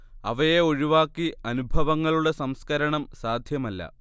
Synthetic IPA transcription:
ɐʋɐjeoɻiʋaːkːiɐnubʱɐʋɐŋːɐɭuɽe̞sɐmskɐɾɐɳɐmsaːd̪ʱjɐmɐlːɐ̰

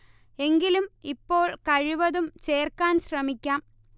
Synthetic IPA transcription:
e̞ŋɡilumipːo̞ːɭkɐɻiʋɐðumt͡ɕe̞ːrkaːnɕrɐmikʲːaːm

